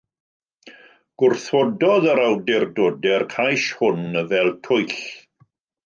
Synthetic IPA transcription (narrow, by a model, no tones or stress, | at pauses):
ɡ̥ʊrθwɔdɔðəɾawdɪrdodɛrkʰajʃhʊnəvɛlˠtʰʊɨɬ